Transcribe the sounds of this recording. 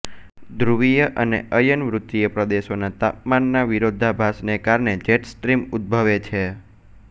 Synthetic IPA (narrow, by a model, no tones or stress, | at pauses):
d̪ɾuʋijəʔənḛʔəjənʋɾut̪ːijəpɾəd̪eʃonat̪ap̚manːaʋiɾod̪ʱːabʱasnekaɾɳed͡ʒeʈsʈɾimut̪̚bʱəʋet͡ʃʰe